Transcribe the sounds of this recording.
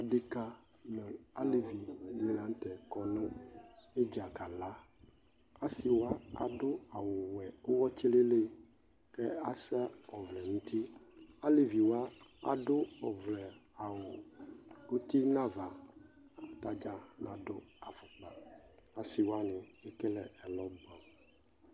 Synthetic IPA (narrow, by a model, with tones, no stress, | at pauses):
a˨ɖe˦ka˦ | mɛ˨a˦le˨vi˨mĩ˨˦la˨˦ŋ̩˦t̪ɛ˨kɔ˦nɔ̃˦e˦d͡ʒa˨ka˨la˦ | a˦si˨wa˦a̰˨dʊ˦a˨wʊ˨wɛ˨o˦wɔ˦t͡ʃi˦le˦le˦ | kɛ˦a˨sɛ˦ɔ˨vlɛ˨nũ˦t̪ʰi˦a˦le˨vi˨wa˦a̰˨ɖʊ˦ɔ˨vlɛ˨a˨wʊ˨ | o˦t̪i˦nã˦va˨ | a˨t̪a˦d͡ʒa˨nã˨dʊ˦a˨fʊ˨k͡pa˨a˨sɪ˨wa˦nɪ̃˨e˨kɛ˦lɛ˨ɛ˨lɔ˦ba˨